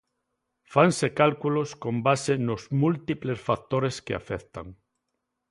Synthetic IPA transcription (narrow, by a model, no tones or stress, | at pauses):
faŋsekalkuloskombasenozmult̪iplesfak̚t̪oɾeskea̰fɛθt̪aŋ